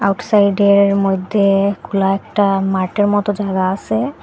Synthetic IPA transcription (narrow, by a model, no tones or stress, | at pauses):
awʈsajɖeɾmojd̪ʱːekulaɛk̚ʈamaɾʈeɾmɔt̪od͡ʑaɡaaʃʰe